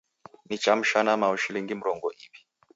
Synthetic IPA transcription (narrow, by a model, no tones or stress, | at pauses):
ni̥t͡ʃam̩ʃanamauʃiliŋɡim̩ɾɔŋɡɔʔiβi̥